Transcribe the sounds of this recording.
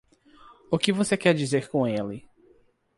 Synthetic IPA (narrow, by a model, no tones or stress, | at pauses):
ʊkɪvosekɛɾd͡ʒizeɾkõelɪ